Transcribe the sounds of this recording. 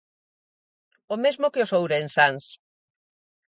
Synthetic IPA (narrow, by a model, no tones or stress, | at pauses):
omezmokeosowɾensans